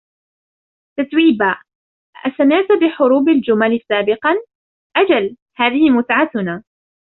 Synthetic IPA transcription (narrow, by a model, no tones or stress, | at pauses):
t̪at̪wiːbaː | ʔʔasamɪʕt̪ʊbɪħʊɾuːbald͡ʒʊmalsaːbɪqɑn | ʔad͡ʒal | haːðɪhɪmʊt̪ʕat̪ʊnaː